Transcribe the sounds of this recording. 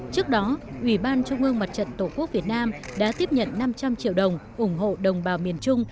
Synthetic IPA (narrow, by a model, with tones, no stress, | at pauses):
t͡ɕɨ˦˥ək̚ɗɔ˨˦ʔwi˧˩ɓaː˧nt͡ɕʊ˧ŋ͡mʔɨ˧əŋma˨˩t̚t͡ɕə̰˧˨nt̪o˧˩ku˦˥k̚vi˨˩ət̚naː˧mɗa̰ː˧˥t̪i˦˥əp̚ɲə̰˧˨nːa˧mt͡ɕa˧mt͡ɕḭ˧˨əwɗə˨˩wŋ͡mʔʊ˧˩ŋ͡mɦo̰˧˨ɗə˨˩wŋ͡mɓaː˨˩wmi˨˩ənt͡ɕʊ˧ŋ͡m